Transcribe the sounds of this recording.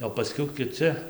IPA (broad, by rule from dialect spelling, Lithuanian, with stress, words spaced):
oː pɐˈsʲkʲɛʊ kʲɪˈt͡sʲɪ